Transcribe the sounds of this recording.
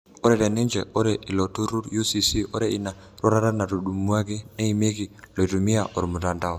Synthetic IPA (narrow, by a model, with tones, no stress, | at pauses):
o˦ɾɛ˨ɾɛ˨nɪ˦nd͡ʒɛ˨ɔ˦ɾɛ˨ʔi˨lo˨tu˦ɾu˦ɾju˦si˦si˦ɔ˦ɾɛ˨i˨na˨ | ɾɔ˦ɾa˦ɾa˦na˨ɾu˨ɗu˨mu˦a˦ki˦ne˦i˨me˦ki˨lɔ˨i˨tu˨mi˦a˨ʔɔ˨ɾmu˨ta˨nda˦ɔ˨